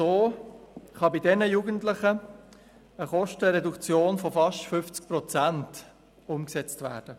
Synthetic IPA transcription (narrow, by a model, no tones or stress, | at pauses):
soː | χɑbidɛnəjuːɡəntlɪχə | əχɔʃtəɾɛdukt͡sjoːnfɔfɑʃtfʏft͡sk̚pɾɔt͡sænt | ʊmksɛt͡stvæːɾd̥ə